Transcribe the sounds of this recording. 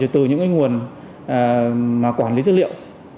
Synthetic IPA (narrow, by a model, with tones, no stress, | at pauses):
t̪ɨ˨˩ɲɨ̰˧˥ŋaː˨˦ŋu˨˩ənː˨˩ | maː˨˩kwaː˧˩nli˨˦ɨ˦˥lḭ˧˨ə˨w